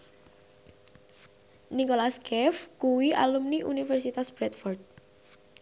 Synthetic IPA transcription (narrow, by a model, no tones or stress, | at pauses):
nikolaskɛfkuwiʔa̰lumniʔṵnifɛrsit̪asb̥ɾɛt̪̚fɔrt̪̚